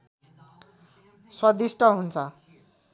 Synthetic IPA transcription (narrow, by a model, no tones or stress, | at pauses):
swʌd̪isʈʌɦunt͡sʰʌ